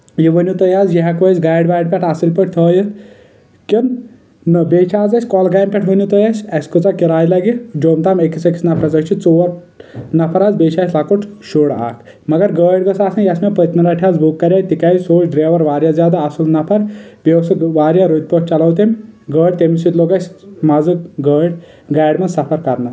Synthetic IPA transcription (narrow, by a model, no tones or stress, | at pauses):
jiʋənʲut̪ɐjaːzjiɦɐkʋəzɡaːjɖbaːjɖ̚pʲɛʈʰasilpəʈ̚ʰt̪ʰoːjit̪ | kin | nɨbeːt͡ʃʰaːd͡zɐsʲkɔlɡaːjmpʲɛʈʰɦənʲjut̪ojɐsʲɐskut͡sakiɾaːjlɐɡid͡ʒoːmt̪aːmekisɐki̥snɐpʰɐzɐt͡ʃʰit͡soːʋɐɾ | nɐpʰɐɾaːzbeːt͡ʃʰaːsʲlakuʈʰʃuɽa̰ːk | mɐɡɐɾɡəːɖɡɐsaːsɐnjɐsʲmepɐt̪mɐɾaʈʰʲaːzbukːɐɾʲaːjt̪ikaːjsoːt͡ʃʰɖɾeːʋɐɾʋaːɾjazʲjaːd̪aːsulnɐpʰɐɾbewsɨʋaːɾjaɾut̪̚ʲpot͡ʃɐlɐwt̪emʲɡəːɖ̚ʲt̪emisit̪loːɡɐsʲmɐzɨkɡəːɽʲ | ɡaːɖmɐsɐpʰɐɾkɐɾnɐ